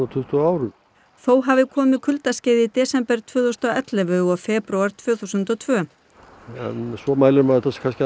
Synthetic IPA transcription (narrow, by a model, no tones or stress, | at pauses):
at̪ʰʏht̪uaːwɾʏ̥ | θowɦavɪkʰɔːmɪkʰʏlt̪ascɪːjðɪt̪ɛːsɛmpɛɾ̥t̪ʰvœːθust̪ɔɛt̪lɛvʏɔfɛːpɾuaɾ̥t̪ʰv̥œːθuwsʏnt̪ɔt̪ʰvœː | ɛ̰nsvɔmaːjlɪɾmaɾɛt̪ːaskʰanscɪ